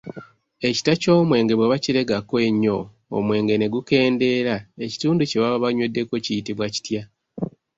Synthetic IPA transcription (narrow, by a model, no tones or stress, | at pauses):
e̞ci̥taco̞ːmwe̞ːŋɡe̞βweβaciɾe̞ɡakwe̞ɲːo̞ | o̰mwe̞ːŋɡe̞ne̞ɡuke̞ːnde̞ːɾae̞ci̥tuːnduceβaβaɲwe̞dːe̞ko̞cijitiβwaci̥tja